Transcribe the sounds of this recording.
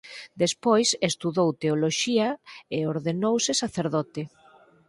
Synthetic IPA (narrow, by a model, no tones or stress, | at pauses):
d̪espojsest̪uðowt̪eoloʃiɐeoɾðenowsɪsaθeɾðɔt̪ɪ